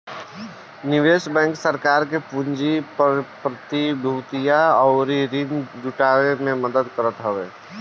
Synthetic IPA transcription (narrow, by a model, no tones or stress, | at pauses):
nɪʋeːʃbɛ̃ːŋksəɾkaːɾkepund͡ʒippɾət̪ibʱuːt̪ijaɔːɾiɾind͡ʒuʈaːɾemẽməd̪əd̪kəɾət̪ɦəʋeː